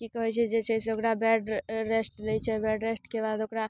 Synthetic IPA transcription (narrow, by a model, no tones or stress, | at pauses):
kikəɦɛt͡ʃʰɛd͡ʒet͡ʃʰɛseokɾabɛɖɾesʈlɛjt͡ʃʰɛbɛɖɾesʈkebad̪okɾa